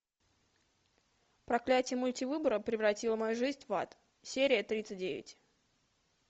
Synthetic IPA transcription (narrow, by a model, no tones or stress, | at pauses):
pɾɐklʲætʲɪjəmʊlʲtʲivɨbəɾəpɾʲɪvrɐtʲilˠəmɐjuʐɨzʲnʲva̰t̪ | sʲeɾʲɪjət̪ɾʲit̪sɨt̚ʲdʲevʲɪ̰tʲ